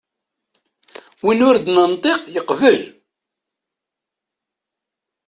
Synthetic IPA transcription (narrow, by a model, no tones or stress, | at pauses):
winʊɾd̪nənt̪ˤeqjəqvəl